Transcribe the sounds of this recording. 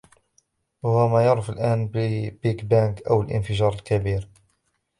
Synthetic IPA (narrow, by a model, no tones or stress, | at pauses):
wahʊwmæjɑɾˤəfəlʔæːnbbikbænkʔawəlʔə̰nfəʒɑːɾˤəlkabiːɾ